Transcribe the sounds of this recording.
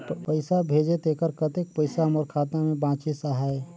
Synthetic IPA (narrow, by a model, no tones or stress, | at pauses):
pəɪsabʱeːd͡ʒet̪ekəɾkət̪ek̚pəɪsaməɾkʰaːt̪namẽbãːt͡ʃisaɦae